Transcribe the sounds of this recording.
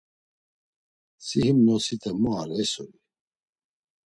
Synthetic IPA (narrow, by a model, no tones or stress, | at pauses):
sihimnɔsit̪ʰɛmua̰ɾɛsɔli